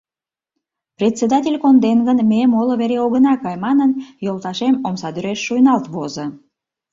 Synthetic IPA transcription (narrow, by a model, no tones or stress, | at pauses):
prʲet͡sːed̪ɑtʲelʲkond̪enɡənmemoloβeɾeoɣənɑkɑjmɑnənjolt̪ɑʃemomsɑd̪yɾeʃːujnɑlt̪βozə